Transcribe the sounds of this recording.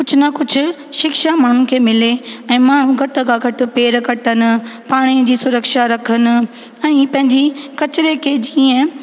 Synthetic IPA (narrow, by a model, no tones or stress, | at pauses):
kʊd͡ʑʱʊ̆nɐkʊd͡ʑʱʊ̆ | ʃɪkʃamaːɳ̤unɪ̆kʰeːmɪleɛ̃ːmaːɳ̤ũɡʱɐʈə̆kʰãːɡʱɐʈʊ̆peːɾkɐʈənɪ̆paːɽ̃id͡ʑiːsʊɾəkʃaɾɐkʰənɪ̆ | ɛ̃ːpɐ̃ɦɪ̃ɲd͡ʑikɐt͡ɕɪɾekʰeːd͡ʑiːə̃